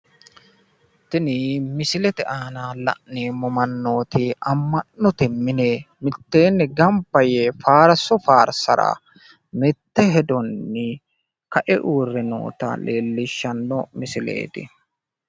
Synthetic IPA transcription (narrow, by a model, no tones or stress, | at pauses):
t̪ɪnimɪsɪlɛt̪ɛʔaːnaːlɐ̰ʔneːmɔmɐnːo̞ːt̪ɪɐmːɐnːɔt̪ɛmːɪne | mɪt̪ːe̞ːnːɛɡɐmpːɐjefaːɾɐsɔfaːɾsɐɾa̰ | mɛt̪ːɛɦɛd̪ɔnːɪ | kɐʔɛʔuːrːɛno̰ːt̪ɐ̰leːlːɪʃːɐnːɔmɪsɪlḛːt̪ɪ̰